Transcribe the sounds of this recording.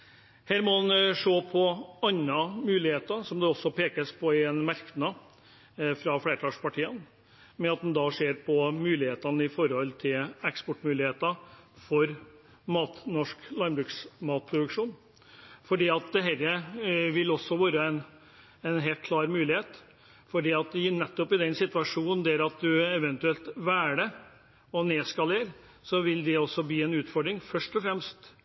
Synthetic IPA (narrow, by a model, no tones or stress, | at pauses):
hæːɾmɔɑnʂoːpʰɔɑnːɑmʉːlɪheːt̪əɾsɔmd̪ɛɔsːɔpʰeːkəspʰɔɪɛnmæɾknɑ | fɾɑfɽeːɾəʈ̪ʰɑːʂpɑʈʰiːən | mɛɑt̪̚d̪ɛnd̪ɑʂeːɾpʰɔmʉːlɪheːt̪ɑnəɪfɔɾhɔlt̪ʰɪlɛkspɔʈːmʉːlɪheːt̪əfɔɾ | mɑːt̪nɔʂklɑɾmbɾʉːksmɑːt̪̚pʰɾʊd̪ʉkʂuːn | fɔɖiːɑt̪̚d̪ɛɦɛɾəʋɪlɔsːɔʋɑːɾəɛn | ɛnɦeːlt̪̚kʰlɑːɾmʉːlɪheːt̪ | fɔɖiːɑt̪ɪnɛt̪ːɔpɪd̪ɛnsɪt̪ʋɑʂuːnn̩d̪æɾɑt̪̚d̪ʉɛʋɛnt̪ʉɛlt̪ʋæːɖə | ɔneːskɑleːɾ | sɔʋɪld̪ɛɔsːɔbiːɛnʉːt̪fɔɖɾɪŋfœʂʈɔfɾɛmst̪